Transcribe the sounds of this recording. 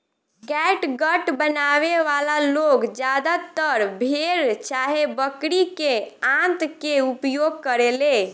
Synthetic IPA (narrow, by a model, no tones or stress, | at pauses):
ɡɛʈɡəʈbənaʋeʋalaloɡd͡ʒad̪at̪əɾbʱeɾt͡ʃaɦebəkɾikeãnt̪keupjoɡ̚kəɾele